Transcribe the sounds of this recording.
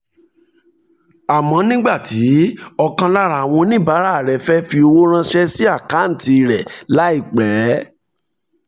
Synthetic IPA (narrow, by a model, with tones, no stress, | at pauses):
a˨mɔ̃˨˧˦nĩ˦ɡ͡ba˦˨tʰi˨˦ɔ˧kã˧la˦ɾa˨w̃ɔ̃˧nĩ˦ba˨˦ɾa˦˨ɾɛ˨fɛ˦fi˧o˧wo˦ɾ̃ã˦ʃɛ˦si˦a˦˨ka˨˦n̩˦˨ti˧ɾɛ˨la˨˦i˦˨k͡pɛː˨˦